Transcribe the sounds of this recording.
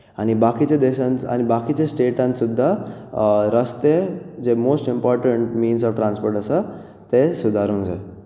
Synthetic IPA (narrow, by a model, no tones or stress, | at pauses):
añibakit͡ɕed̪eɕãna̰nibakit͡ɕẽsʈeʈãnsud̪ʱːa | ɾəst̪ed͡zemosʈimpɔɾʈəɳʈmiːnsɔʋʈɾãnspoɾʈəsə | t̪esud̪ʱaɾũːnd͡zae